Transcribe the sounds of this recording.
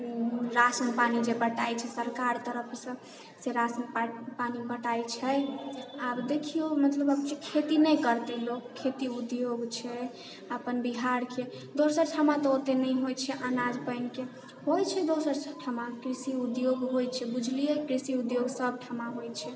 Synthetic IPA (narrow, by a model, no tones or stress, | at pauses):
ɾasənpanid͡ʒebəʈajt͡ʃʰɛsəɾkaɾt̪əɾəpʰsə̃ | seɾasənpanibəʈajt͡ʃʰɛ | abd̪ekʰijomət̪ləbəbt͡ʃekʰet̪inɛjkəɾt̪elokkʰːet̪iud̪joɡt͡ʃʰɛ | əpənbiɦaɾke | d̪osəɾʈʰamat̪ɔot̪enəjɦojt͡ʃʰɛʔanad͡ʒpəɪnke | ɦojt͡ʃʰɛd̪osəɾsʈʰamakɾisiud̪joɡɦojt͡ʃʰɛbud͡ʒʱlijekɾisiud̪joɡsəb̚ʈʰamaɦojt͡ʃʰɛ